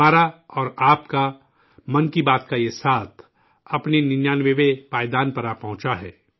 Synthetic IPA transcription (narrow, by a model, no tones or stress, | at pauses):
aːɾaɔːɾaːpka | mɐ̃nkibaːt̪kajesaːt̪ʰ | ɐpnenɪnjaːnʋeʋeʋaːjd̪aːnpɐɾaːpɐ̃ɦʊ̃t͡ʃaɦɛ̰ː